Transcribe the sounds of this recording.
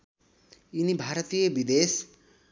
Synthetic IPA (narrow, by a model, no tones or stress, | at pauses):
inibʱaɾʌt̪ijʌbid̪es